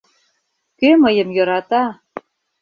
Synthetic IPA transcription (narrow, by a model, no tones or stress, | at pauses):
kømɤjə̆mjɤ̆ɾɑt̪ɑ